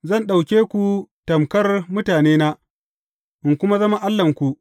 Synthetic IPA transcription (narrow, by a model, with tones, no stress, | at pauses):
zɐ˦˨nɗa˨wkʲeː˦kʷu˨tɐ˨mkɐ˦rmʊ˦taː˨neː˦naː˦ | ʔɪ˨ŋkʷʊ˦ma˦zɐ˦ma˦ʔa˦lːɐ˨ŋkʷu˨ʔ